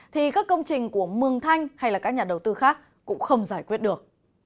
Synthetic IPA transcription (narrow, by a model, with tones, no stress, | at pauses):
t̪ʰi˨˩kaː˦˥kːə˧wŋ͡mt͡ɕï˨˩ŋ̟ku˧˩əmɨ˨˩əŋt̪ʰa˧jŋ̟ha˧jlaː˨˩kaː˦˥k̚ɲaː˨˩ɗə˨˩wt̪ɨ˧xaː˦˥k̚ːʊ̰˧˥ŋ͡mxə˧wŋ͡mzaː˧˩jkwi˦˥ət̚ɗɨ˨˩ək̚